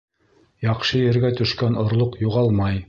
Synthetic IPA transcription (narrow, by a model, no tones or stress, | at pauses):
jɑqʃɤjɘ̆ɾɡæt̪ɵ̆ʃkænŏɾlˠoqjuʁɑlˠmɑj